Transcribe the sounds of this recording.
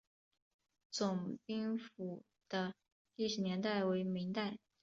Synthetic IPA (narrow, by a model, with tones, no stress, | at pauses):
t͡sʊ˨˩ŋpi˥ŋfu˨˩ | d̪̥ə˦ | i˥˩ʂ̩˨˩njɛ˧˥nt̪a˥˩ɪwe˧˥ɪmi˧˥ŋt̪a˥˩ɪ